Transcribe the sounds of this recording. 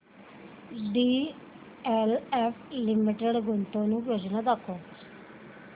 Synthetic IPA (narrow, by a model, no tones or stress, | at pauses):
ɖiː | ɛlɛːpʰlɪmɪʈeɖɡʊnt̪õːnũːbjoːd͡ʒnãːd̪əkʰːoː